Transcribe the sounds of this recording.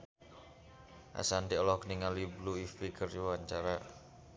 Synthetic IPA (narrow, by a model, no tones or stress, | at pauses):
ʔa̰sand̪iɔlɔkniŋalibluifikərjuwaɲt͡ʃaɾa